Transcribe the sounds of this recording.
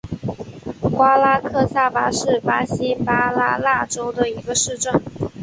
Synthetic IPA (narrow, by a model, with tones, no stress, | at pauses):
kwa˥la˥kʰɤ˥˧sa˥˩pa˧˥ʂɻ̩˥˩pa˧˥ɕi˥pa˥la̰˥˧la˥˧ʈ͡ʂo˥ʊd̪ə˨i˧˥ɡə˧ʂɻ̩˥˧ʈ͡ʂə˥˩n